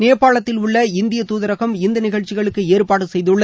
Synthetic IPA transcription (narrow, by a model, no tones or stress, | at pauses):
neːpːaːɭɐt̪ːɪlʊɭːɐɪnd̪ɪjɐt̪uːðɐɾɐɣɐmɪnd̪ɐnɪɣɐɻt͡ʃːɪɣɐɭɯkːɯeːɾpaːɽɯsɛjðɯɭːɐ